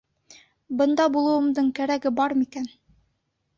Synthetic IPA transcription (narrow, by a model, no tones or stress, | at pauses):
bɤ̆nd̪ɑbulˠɤ̆wɤ̆md̪ɤɴkæɾæɡɘbɑɾmikæn